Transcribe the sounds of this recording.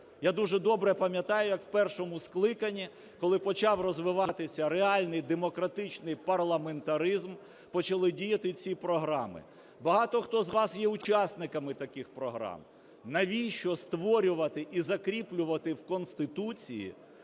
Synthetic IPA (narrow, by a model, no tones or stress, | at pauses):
jad̪uʒɛd̪ɔbɾɛpɐmʲjɐt̪ɑjʊjɐkwpɛrʃɔmʊsklˠɪkɐnʲːi | kɔlˠɪpɔt͡ʃɑwrɔzʋɪʋɑt̪ɪsʲɐɾeɑlʲnɪjd̪emɔkɾɐt̪ɪt͡ʃnɪjpɐrlˠɐment̪ɐɾɪzm | pɔt͡ʃɐlˠɪdʲijɐt̪ɪt͡sʲipɾɔɦɾɑmɪ̰ | bɐɦɑt̪ɔxt̪ɔzʋɑsjɛʊt͡ʃasnɪkɐmɪt̪ɐkɪxpɾɔɦɾɑ̰m | nɐʋʲiʃt͡ʃɔst̪ʋɔɾʲʊʋɐt̪ɪʔizɐkɾʲiplʲʊʋɐt̪ɪwkɔnst̪ɪt̪ut͡sʲijḭ